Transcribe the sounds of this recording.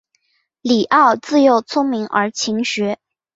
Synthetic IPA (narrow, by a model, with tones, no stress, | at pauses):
li˨˩ʔɑ˥˧ʊt͡sɹ̩˥˧jo˥˧ʊt͡sʰʊ˥ŋmi˧˥ŋʔə˞˧˥t͡ɕʰi˧˥ŋɕɥɛ˧˥